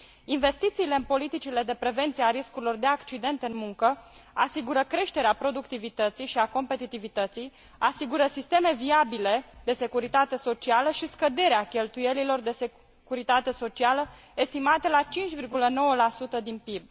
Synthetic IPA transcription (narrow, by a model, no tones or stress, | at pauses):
inve̞st̪it̪siːle̞ɨnpo̞lit̪it͡ʃile̞d̪e̞pɾe̞ve̞nt̪sieaɾiskuɾilo̞rd̪e̞akt͡ʃid̪e̞nt̪ɨnmuŋkəasiɡuɾəkɾe̞ʃt̪e̞ɾeapɾo̞d̪ukt̪ivit̪ət̪sijʃiako̞mpe̞t̪it̪ivit̪ət̪sij | asiɡuɾəsist̪e̞me̞viabile̞d̪e̞se̞kuɾit̪at̪e̞so̞t͡ʃialəʃiskəd̪e̞ɾeakʲe̞lt̪uje̞lilo̞rd̪e̞se | kuɾit̪at̪e̞so̞t͡ʃialə | e̞st̪imat̪e̞lat͡ʃint͡ʃʲvirɡuləno̞wəlasut̪əd̪inpib̚